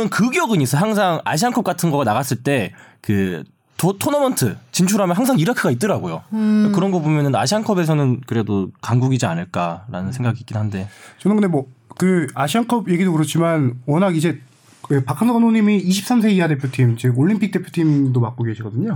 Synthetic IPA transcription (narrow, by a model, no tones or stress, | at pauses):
ɯnkɯɡjʌɡɯɲis͈ʌɦaŋsʰaŋa̰ɕ̬ʰiankʰʌp̚k͈atʰɯnɡʌɡanaɣas͈ɯɭt͈e̞kɯ | tʰotʰonʌmʌntʰɯt͡ɕint͡ɕʰuɾɦamjʌnɦaŋsʰaŋiɾakʰɯɡait͈ɯɾaɡojoakɯɾʌnɡʌbomjʌnɯna̰ɕʰiankʰʌbe̞s̬ʰʌnɯnkɯɾe̞dokaŋɡuɡid͡ʑianɯɭk͈aɾa̰nɯnsʰe̞ŋɡaɡiːk͈idoɦande̞t͡ɕʌnɯnɡɯndemwʌkɯaɕʰiankʰʌbje̞ɡidokɯɾʌt͡ɕʰimanwʌnaɡid͡ʑe̞ | kɯpakʰanʌɡɯnoɲimiːɕʰip̚s͈amsʰe̞iade̞pʰjotʰimt͡ɕiɡoɭːimpʰik̚t͈e̞pʰju̥tʰimdomak͈oɡe̞ɕʰiɡʌdɯɲo